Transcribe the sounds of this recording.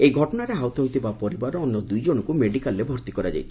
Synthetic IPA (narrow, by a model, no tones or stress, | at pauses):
ejɡʱɔʈɔɽaɾeɦawt̪ɔɦwt̪ʰibapɔɾibaɾɔɔnːɔd̪ujd͡ʒoɽ̃ɔkumeɖikalːebʱɔɾt̪ikɔɾad͡ʒa̰jt̪ʰi̥